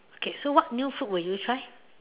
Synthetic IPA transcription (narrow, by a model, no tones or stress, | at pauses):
okesowaʔnũfuʔwejut͡ʃʰaj